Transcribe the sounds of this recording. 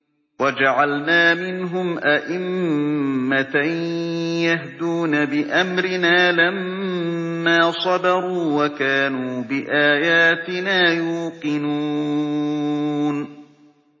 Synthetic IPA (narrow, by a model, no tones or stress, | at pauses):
wad͡ʒaʕalnaːmɪnɦʊmʔaʔɪmː | at̪a | jaɦd̪uːnabɪʔamɾɪnaːlamː | aːsˤɑd̪ɑɾˤuːwakaːnuːbɪʔaːjaːt̪ɪnaːjuːqɨnuː | n